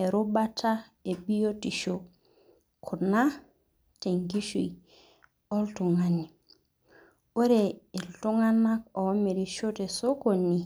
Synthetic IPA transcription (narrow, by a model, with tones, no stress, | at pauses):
e˨ɾu˦ba˦tʰa˦ | e˨bi˦jo˦ti˨ʃo˨ | kʰu˨na˦ | te˨ŋɡi˦ʃṵ˨i˨ | ɔ˦ltu˨ŋa˨ni˨ | o˦ɾeː˨ltu˦ŋa˦na˦kɔ˨ɔ˦me˨ɾi˨ʃo˦te˨so˦ko˨ni˨